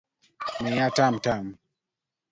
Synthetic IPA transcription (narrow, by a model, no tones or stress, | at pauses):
mɛjatam̩tam